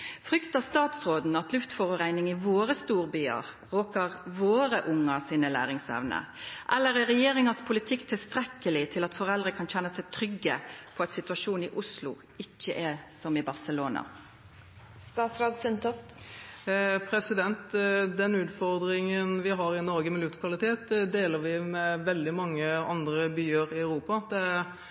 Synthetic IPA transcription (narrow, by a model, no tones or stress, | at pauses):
fʁʏkt̪ɑst̪ɑːt̪sʁoːd̪n̩ɑt̪lʉft̪fɔʁʊʁæɪnɪŋɪʋoːʁəst̪uːʁbyːɑ̰ʁ | ʁoːkəʁʋoːɾəʔʊŋːɑsiːnəlæ̰ːʁɪŋsɛ̰ʋnə̰ʔɛlːəɾæɾɛjeːʁɪŋɑspʰʊlɪt̪ʰɪkːt̪ʰɪlst̪ɾɛkːəlɪt̪ʰɪlɑt̪fɔʁɛld̪ʁəkʰɑnçɛnːəsɛɪt̪ʰɾʏɡːəpʰɔɑɛt̪sɪt̪ʉɑʂuːnɪʔʊslʊ̰ | ɪçːəʔɛsɔmɪbɑʁsəloːnɑ̰ | st̪ɑːt̪sɾɑːd̪sʏnt̪ɔft̪ | pʰɾɛsɪd̪ɛnt̪d̪ɛnʉːt̪fɔʁd̪ɾɪŋənʋɪɦɑɾɪnɔɾɡəmɪljʉːt̪kʰʋɑlɪt̪ʰeːt̪d̪eːləɾʋɪmɛʋɛld̪ɪmɑŋːəɑnd̪ɾəbyːəɾɪɑʉɾuːpɑd̪ɛ